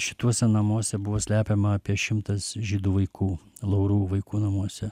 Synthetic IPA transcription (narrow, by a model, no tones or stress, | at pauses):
ʃʲɪ̥t̪uɔsʲɛnɐmuɔsʲɛbʊʋoːsʲlʲæːpʲemɐɐːpʲiɛʃʲɪmt̪ɐsʒʲiːd̪uːʋɐɪkʰuːlˠɐʊɾuːʋɐɪkuːnɐmuɔsʲɛ